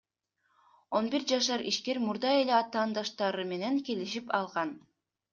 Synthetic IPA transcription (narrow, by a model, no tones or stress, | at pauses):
o̞nbiɾd͡ʒɑʃ̬ɑɾiʃke̞ɾmuɾd̪ɑe̞le̞ɑt̪ɑːnd̪ɑʃt̪ɑɾɯme̞ne̞ŋke̞liʃipɑlˠʁɑn